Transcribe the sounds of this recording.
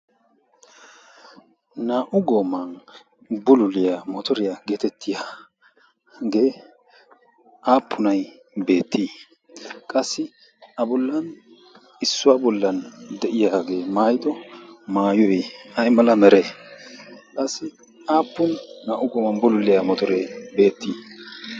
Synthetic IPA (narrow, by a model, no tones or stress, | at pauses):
naːʔʊɡoːmɐn | bʊlʊlɪjamɔt̪ɔɾɪjaɡeːt̪ɛt̪ʰːɪjaː | ɡe̞ː | ʔaːpʰːʊnɐj | be̞ːt̪ːiː | kʼɐsːɪ | ʔɐbɔlːɐn | ɪsːʊwabɔlːɐnd̪ɛʔɪjaːɡe̞ːmaːjɪd̪ɔmaːjɔjɐjmɐlɐmɛɾɛ | kʼɐsːɪ | aːpːʊnːaːʔʊɡoːmɐnbʊlʊlɪjamɔt̪ɔɾɛjbe̞ːt̪ːiː